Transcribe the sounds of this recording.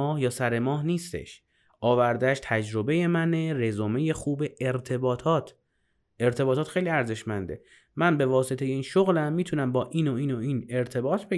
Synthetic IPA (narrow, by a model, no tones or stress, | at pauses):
ɒːhjɒːsæɾe̞mɒːɦniːst̪ḛʃ | ʔɒːvæɾd̪eæʃt̪ʰæd͡ʒɾo̞beje̞mænerezomeje̞xuːbe̞ʔːɾt̪ʰe̞bɒːt̪ʰɒːt̪ʰ | eɾt̪ʰe̞bɒːt̪ɒːt̪xe̞jliæɾze̞ʃmænd̪e̞̰ | mænbe̞vɒːset̪e̞je̞iːnʃoɣlæmːiːt̪ʰunæmbɒːʔiːnoiːnoiːne̞ɾt̪ʰe̞bɒːt̪ʰbe